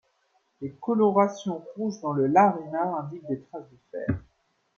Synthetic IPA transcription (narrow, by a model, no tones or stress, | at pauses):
lekɔlɔʁasjɔ̃ʁuʒd̪ɑ̃ləlaʁenaɛ̃d̪ik̚d̪et̪χazd̪əfɛ̰ːʁ